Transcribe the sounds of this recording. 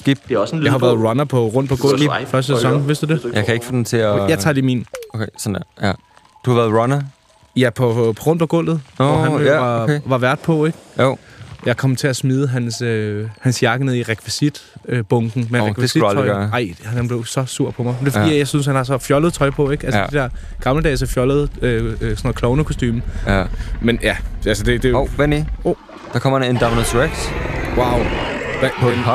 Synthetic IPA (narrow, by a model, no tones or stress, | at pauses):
sɡ̥ib̥̚ɑhɑ̈ʋæːɐðˠʁɑnɐpʰɒ̽ʁɔ̽n̰d̥̚pʰɒ̽ɡ̥ɔ̽l̰ðfɶɐsd̥əsesɒ̽ŋʋe̝sd̥ud̥e̝jɑ̈ɪkʰæe̝ɡ̥fɔ̰ːd̥emt͡sʰe̝æjɑ̈ɪt͡sʰɑ̰̈ːliːmḭnokʰesɔndeɐjæ | d̥uhɑʋæːɐð̩ˠʁɑnɐ | jæpʰɒ̽pʰɒʁɔ̽nd̥pʰɒ̽ɡ̥ɔ̽l̰ð̩ˠɒhæɑ̈eʋɑ̈ʋæɐd̥̚pʰɒ̽e̝ɡ̥jojɑ̈ɪkʰɒ̽m̰t͡sʰe̝æsmiːð̞ˠəɦænsøhænsjɑ̈ɡ̥əneðˠiʁekʰʋisid̥øb̥ɔ̽ŋɡ̥n̩meʁkʰʋisi̥ɒɪɐɑ̈ɪ̰hænb̥le̝ʊsɒ̽suɐ̰pʰɒ̽mɑ̈ɪmde̝fə̥ḭːjɑ̈ɪsynshænhɑ̈sɒ̽fjɒ̽ləðˠt͡sʰɒ̽ɪpʰɒ̽e̝ɡ̥ælsəded̥eɐ̰ | ɡ̥ɑ̈mləd̥ɛːsæfjɒ̽lð̞̩ˠøsɔ̽nˠkʰlɒʊnəkʰosd̥y̰ːmə | menjæælsəd̥e̝d̥e̝ʋenio | d̥ɑ̈kʰɒ̽m̰ɐend̥æmnəsʁeɡ̥swaʊ